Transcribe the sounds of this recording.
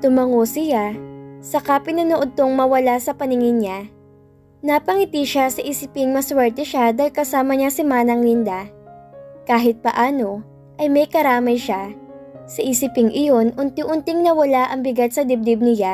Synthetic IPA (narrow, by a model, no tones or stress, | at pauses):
t̪ʊmɐŋosɪjasɐkapɪnɐnoʔod̪̚t̪oŋmɐwɐlasɐpɐnɪŋɪnɲa | nɐpɐŋɪt̪iʃasɐʔisɪpɪŋmɐswɛɹt̪ɛʃad̪aːɪlkɐsaːmɐɲasɪmaːnɐŋlɪnd̪a | kaːɦɪt̪̚pɐʔaːno̞ | ʔɐjmɐjkɐɾaːmɐjʃasɐʔiːsɪpɪŋʔɪjo̞nʔʊnt̪ɪŋʔʊnt̪ɪŋnɐwɐlaʔɐŋbɪɡat̪̚sɐd̪ɪb̚d̪ɪb̚nɪja